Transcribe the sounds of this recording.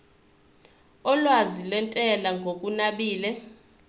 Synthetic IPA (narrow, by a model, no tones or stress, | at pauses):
ɔlwazilwɛntʼɛlaŋɡʱokʼunaɓiːlɛ